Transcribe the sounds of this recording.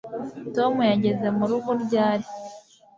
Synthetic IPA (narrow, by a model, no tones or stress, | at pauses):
to̞mujaɟe̞ze̞muɾuβuɾɟaːɾi